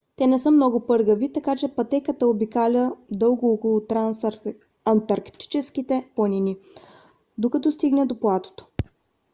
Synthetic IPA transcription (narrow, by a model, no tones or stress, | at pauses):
t̪ɛnɛsəmnɔɡʊpɤɾɡəvit̪ɐkat͡ʃɛpɐt̪ɛkət̪əobikalʲəd̪ɤlˠɡʊɔkolˠot̪ɾas | ɐnt̪ɐɾkt̪i̥t͡ʃɛsk̟it̪ɛplˠɐnʲini | d̪okɐt̪ɔst̪iɡnɛd̪oplˠat̪o̥t̪o̥